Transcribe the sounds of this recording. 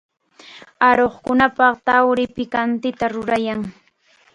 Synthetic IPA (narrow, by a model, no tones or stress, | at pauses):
aɾoχkʊnapɑχt̪awɾɪpɪkant̪ɪt̪aɾʊɾajaŋ